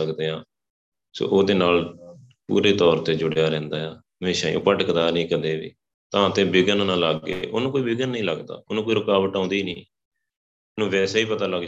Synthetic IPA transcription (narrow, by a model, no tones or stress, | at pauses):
əkd̪eːãː | so̰ːʔoːd̪eːnaːl | pṵːɾeːt̪ɔːɾt̪eːd͡ʒʊɽejaːɾɛ̃ːnd̪aːjaː | əmeːʃaːijõ̰ːpəʈəkd̪aːnĩːkəd̪eːʋḭː | t̪ãːt̪ẽːbɪɡənnãːlaɡːḛːʔo̰ːnũːkoːiːbɪɡənːĩːləɡd̪a̰ːʊnũːkoːiːɾʊkaːʋəʈãːnd̪iːnĩː | nũːʋɛːseːiːpət̪aːləɡd͡ʒ